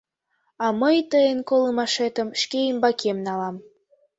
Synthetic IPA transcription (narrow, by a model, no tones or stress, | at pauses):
ɑməjt̪əjenkoləmɑʃet̪ə̆mʃkeimbɑkʰemnɑlɑm